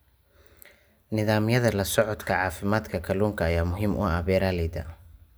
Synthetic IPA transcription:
nɪðaːmjɐðɐlɐsɔʕɔd̪kʰɐʕɑːfɪmaːd̪kʰɐkʰɐluːŋkʰɐːjaːmʊɦiːmʔʊ̰ɐβɛːɾalɛd̪ɐ̰

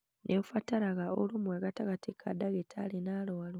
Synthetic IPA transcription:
nʔefataɾaɣaolumwaɣataɣatekʰadaɣetʰalenalowal

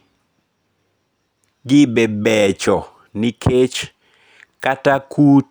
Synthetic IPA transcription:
ɡɪbɛbɛt͡ʃɔ | nikʰet͡ʃ | katakut

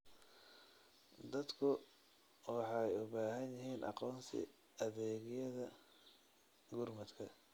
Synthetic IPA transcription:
d̪ɐd̪kʰʊ | wɑħɑjʊβaːɦɐnjɪɦiːnʔɑ̰qɔːnsɪ̰ | ɐðɛːɣɪjɐðɐ | ɡurmɐd̪kʰɐ

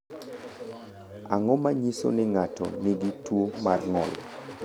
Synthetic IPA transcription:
aŋɔmaɲiso̰nɪŋatɔ̰nɪɡitwomarŋɔ̰l

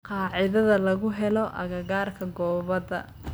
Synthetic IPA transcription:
qɑːʕɪðɐðɐlɐɣʊɦɛlɔʔɐɣɐɣaːrkʰɐɡɔːβɐðɐ̰

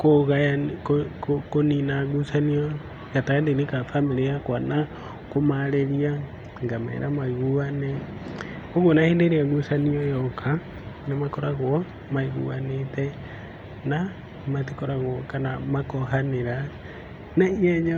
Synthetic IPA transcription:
koɣaakokokoninaɣusaniɔ | ɣatandenikafamilijakwana | komaɾeɾia | ŋɡamɛ̰ɾamaiɣuanɛ | oɣwonahendeɾiaɣusaniɔjɔkʰa | nemakɔɾaɣwɔ | maiɣṵanetɛ | na | mat̬ikoɾaɣɔkanamakɔɦaneɾa | naiɛɲa

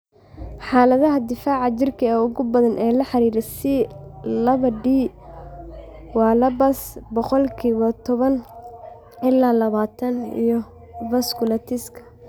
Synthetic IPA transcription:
ħɑːlɐðɐɦɐd̪ɪfaːʕɑt͡ʃɪrkʰɐɛʊɣʊbɐðɐnʔɛːlɐħɑɾiːɾɛsɪlɐβɐɖiː | wɑːlɐbɐsbɔqɔlkʰiːβɐt̪ʰɔβɐn | ʔɪlːaːlɐβaːt̪ʰɐnḭjɔ | vɐskʰʊlɐt̪ʰɪskʰɐ̥

